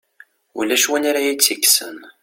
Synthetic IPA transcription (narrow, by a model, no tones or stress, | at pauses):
ulːæʃwænaɾajit͡sːiksə̰n